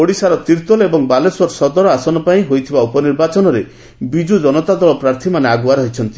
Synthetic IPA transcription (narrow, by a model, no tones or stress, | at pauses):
oɽisaɾɔt̪iɾt̪ɔlɔebɔŋbalesɔɾsɔd̪ɔɾɔasɔnɔpaĩɦojt̪ʰibaupɔniɾbat͡ʃɔnɔɾe | bid͡ʒud͡ʒɔnɔt̪ad̪ɔɭɔpɾaɾt̪ʰimaneaɡwaɾɦɔjt͡ʃʰɔnt̪i̥